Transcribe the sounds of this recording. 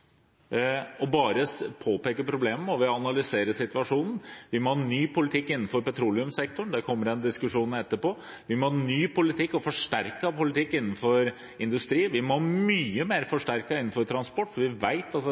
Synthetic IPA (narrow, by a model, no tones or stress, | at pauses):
ɔbɑːɾəpʰoːpeːkəpʰɾʊbleːməɔʋɪɑnɑlʏseːɾəsɪt̪ʋɑʂuːnn̩ʋɪmhnyːpʰʊlɪt̪ʰɪkːɪnn̩fɔɾpɛt̪ʰɾuːlɪʉmsɛkt̪ʊɳd̪ɛkʰɔmːəɾɛnd̪ɪskʉʂuːnɛt̪ːəpɔ | ʋɪmɔhnyːpʊlɪt̪ʰɪkːɔfɔʂʈæɾkɑpʊlɪt̪ʰɪkːɪnːn̩fɔɾ | ɪnd̪ʉst̪ɾiːʋɪæmɔmyːəmeːɾfɔʂʈæɾkɑɪnːn̩fɔɾt̪ʰɾɑnspɔʈːfɔɾʋɪʋæɪt̪ɑt̪